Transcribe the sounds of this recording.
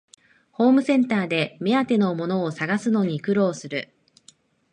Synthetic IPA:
ho̞ːmɯ̟sẽ̞nt̪aːd̪e̞me̞at̪e̞no̞mo̞no̞ːsaɡasɨno̞ɲ̟ikɯ̟ɾo̞ːsɨɾɯ̟

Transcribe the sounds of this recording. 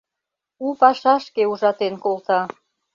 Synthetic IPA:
upɑʃɑʃkeuʒɑt̪enkolt̪ɑ

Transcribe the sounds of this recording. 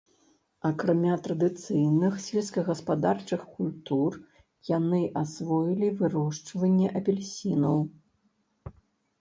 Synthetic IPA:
ɐkɾamʲat̪ɾɐd̪ɨt̪sɨjnɨxsʲvʲɛt̪skɐɣɐspad̪art͡ʂɨxkulʲt̪ur | janɨʔasvɔjilʲivɨɾɔʂt͡ʂvɐnʲːɛʔɐpʲɛlʲsʲinɐw

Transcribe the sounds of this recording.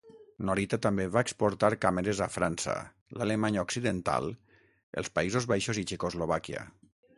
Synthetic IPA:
noɾit̪at̪ambeβaekspoɾt̪aɾkameɾezafɾansa̰ | lalemaɲaoksiðent̪a̰lˠ | ḛlˠspaizozβajʃozit͡ʃekozloβakja̰

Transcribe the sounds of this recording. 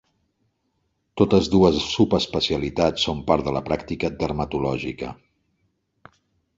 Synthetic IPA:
t̪ot̪əzðuəzsupəspəsiəlit̪asːompaɾðələpɾakt̪ikəd̪əɾmət̪ulɔʒikə̰

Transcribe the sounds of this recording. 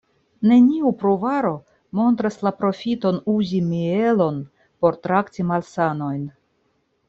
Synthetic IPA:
ne̞niupɾuvaɾo̞ | mo̞ntɾaslapɾo̞fito̞nuzimie̞lo̞n | po̞ɾtɾaktimalsano̞jn

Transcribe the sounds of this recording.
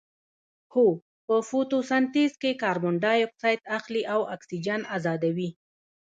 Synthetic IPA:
ho | pəfot̪osant̪izkekɑɾbʊɳɖɑjɔk̚sɑjt̪axliʔawaksid͡ʒanazɑd̪awi

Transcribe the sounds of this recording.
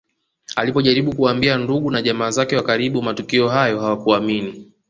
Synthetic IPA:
alipɔʄaɾiɓukuambianduɠunaʄamaːzakɛwakaɾiɓumatukiɔɦajɔhawakuamini

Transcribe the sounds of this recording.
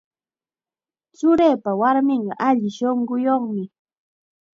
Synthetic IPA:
t͡ʃʊɾejpawaɾmɪɴɢɑʔaʎɪʃoɴɢʊjoχmɪ

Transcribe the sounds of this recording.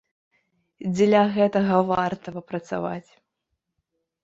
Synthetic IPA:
d͡zʲlʲɐɣɛt̪ɐɣɐvart̪ɐvɐpɾɐt̪sa̰va̰t͡sʲ

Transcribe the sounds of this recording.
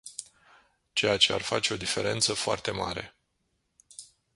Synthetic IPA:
t͡ʃe̞jat͡ʃe̞a̰rfat͡ʃe̞o̞d̪ife̞ɾe̞nt̪səfoa̰rt̪e̞ma̰ɾe̞̰

